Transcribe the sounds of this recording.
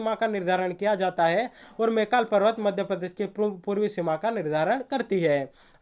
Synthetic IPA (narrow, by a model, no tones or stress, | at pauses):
makanɪɾd̪ʱaːɾəɽ̃kijad͡ʒaːt̪aɦɛɔːɾmeːkaːlpɐɾʋət̪mɐd̪ʱjəpɾəd̪eːʃkepuːɾwisɪmakanɪɾd̪ʱaːɾəɽ̃kɐɾt̪iɦɛː